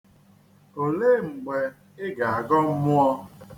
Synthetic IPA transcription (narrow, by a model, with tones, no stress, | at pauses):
o˨le˦˨ŋ͡m̩˨ɡ͡be˨ | ɪ˦ɡa˨a˨ɡɔ˦m̩˦mʊ˦ɔ˧